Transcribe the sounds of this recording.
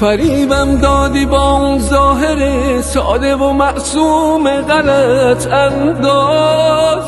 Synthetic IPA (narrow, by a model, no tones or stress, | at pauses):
fæɾiːbæmd̪ɒːd̪iːbɒːunzɒːɦe̞ɾesɒ̰ːd̪evomæʔsuːmeɣæɾæt̪ʰænd̪ɔː